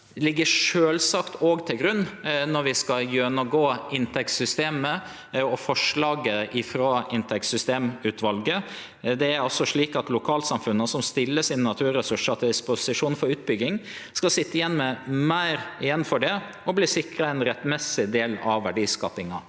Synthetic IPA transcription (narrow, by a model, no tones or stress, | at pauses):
lɪɡːəʂøːlsɑkt̪ʰoɡt̪ʰɪlɡɾʉnːnɔɾʋɪskɑjœnəɡoːɪnt̪ʰɛkt̪sʏst̪eːmə | ɔfɔʂlɑːɡəʔɪfɾɑːʔɪnt̪ʰɛk̪sʏst̪eːmʉːt̪ʰʋɑlɡə | d̪ɛæɾɑlsɔʂɭiːkɑt̪lʊkʰɑːlsɑmfʉnːəsɔmst̪ɪlːəsinnɑt̪ʰʉːɾɛsʉʂɑt̪ʰɪld̪ɪspʊsɪʂuːnfɔɾʉːt̪̚bʏɡːɪŋskɑsɪt̪ːəɪjɛnːmɛmæɪɾɪjɛnːfɔɖɛ | ɔbliːsɪkɾəɛnɾɛt̪ːmɛsɪd̪eːlɑ̰ʋʋæɖiːskɑ̰ːpɪŋɑ